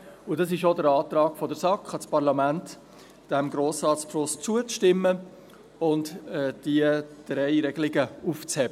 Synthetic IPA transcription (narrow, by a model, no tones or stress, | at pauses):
ʊdɑsɪʃodəɾɑːtɾɑːɡfɔdəɾsɑkχɑt͡spɑʁlɑmænt | d̥ɛmɡɾoːsrɑːtsplʊst͡suət͡sʃtɪmːə | ʊntɛd̥iəd̥ɾɛɪɾɛɡ̥əlɪɡəuft͡shɛbə